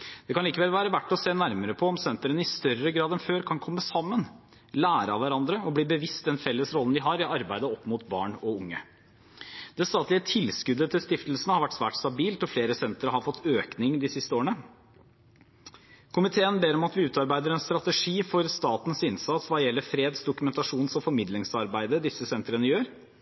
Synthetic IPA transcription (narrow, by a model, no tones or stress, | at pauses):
d̪̥ɛkʰɑniːkəʋɛlʋæːɾəʋæʈːɔseːnæɾməɾəpʰɔɔmsɛnt̪əɾənəɪst̪œrəɡɾɑːd̪ɛnføːɾkʰɑnkʰɔmːəsɑmːən | læːɾəɑʋæɾɑnd̪ɾəɔbliːbəʋɪst̪̚d̪ɛnfɛlːəsɾɔlən̩d̪ɪɦɑɾɪʔɑɾbæɪd̪əɔpːmʊt̪bɑ̰ːɳɔʊŋːə | d̪ɛst̪ɑːt̪lɪət̪ʰɪlskʉd̪ːət̪ʰɪlst̪ɪft̪əl̩sənəhɑɾʋæʈːsʋæ̰ːʈst̪ɑbiːlt̪ɔfleːɾəsɛnt̪əɾəɦɑɾfɔt̪ʰːøːknɪŋd̪ɪsɪst̪əoːɳə | kʰʊmɪt̪ʰeːənbeːɾɔmɑt̪ʋɪʉːt̪ɑɾbæɪd̪əɾɛnst̪ɾɑt̪əʂiːfɔɾst̪ɑːt̪n̩sɪnsɑt̪sʋɑːjɛlːəɾfɾeːd̪sd̪ʊkʉmɛnt̪ɑʂuːnsɔfɔɾmɪd̪lɪŋsɑɾbæɪd̪əd̪ɪsːəsɛnt̪əɾənəjøːɾ